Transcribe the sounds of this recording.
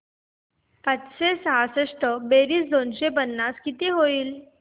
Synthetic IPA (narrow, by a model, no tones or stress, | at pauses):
p̪at͡sɕesəɦaseʂʈəbeɾiːsd̪onɕepənːaskit̪iːɦoiːl